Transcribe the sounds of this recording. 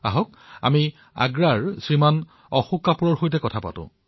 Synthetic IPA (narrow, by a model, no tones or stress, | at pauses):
aɦɔk̚ | a̰mi | a̰ɡɹaɹsɹiman | ɔxukapuɹɔɹxojtɛkɔtʰapa̰tʊ̰̃